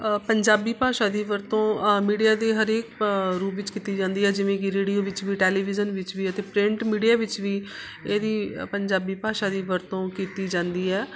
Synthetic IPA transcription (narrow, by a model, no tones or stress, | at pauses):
pəɲd͡ʒaːbiːpaːʃaːd̪iːʋəɾt̪õːmiːɖijaːd̪eːɦəɾeːkɾuːpʋɪt͡ʃkiːt̪iːd͡ʒãːnd̪iːɦɛːd͡ʒɪʋẽːkɪɾeːɽijoːʋɪt͡ʃʋiːʈɛːliːʋɪzənʋɪt͡ʃʋiːət̪eːpɾɪ̃ɳʈmiːɖijaːʋɪt͡ʃʋiː | eːd̪iːpəɲd͡ʒaːbiːpaːʃaːd̪iːʋəɾt̪õːkiːt̪iːd͡ʒãːnd̪iːɛː